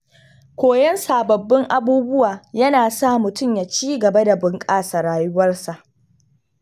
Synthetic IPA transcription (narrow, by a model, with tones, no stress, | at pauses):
kʷoː˨jɛ˦nsaː˨bɐ˨bːɪ˦ŋʔa˦buː˦bʊ˦waː˨jɐ˦naː˨saː˦mʊ˨tʊ˦mja˨t͡ʃiː˦ɡɐ˨ba˦da˨bʊ˨ŋkʼaː˦˨sa˨ɽaː˨jʊ˦wɐ˦rsa˨ʔ